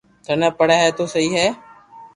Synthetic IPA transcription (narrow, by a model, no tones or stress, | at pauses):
t̪ʰənəːpəɽaːɦɛːt̪oːsəɦiːɦɛː